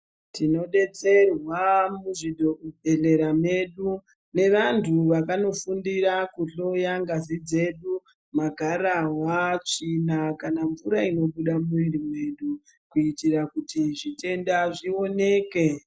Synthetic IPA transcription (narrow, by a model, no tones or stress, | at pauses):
tino̞ɗe̞t͡se̞rwamuʐidʱo̞ʔubʱe̞ɮe̞ɾame̞ɗu | ne̞ʋantʰuʋakano̞fundiɾakuɬo̞jaŋɡazid͡ze̞ɗu | maɡʱaɾawat͡ʂinakanaɱvuɾaino̞ɓuɗamuiɾime̞ɗu | kuitiɾakutiʐite̞ndaʐio̞ne̞ːke̞